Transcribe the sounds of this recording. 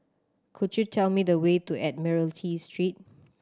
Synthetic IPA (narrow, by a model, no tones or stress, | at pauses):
kʰudjutʰɛlmidəwetuʔɛt̚mɛɹəltʰistʰɹit̚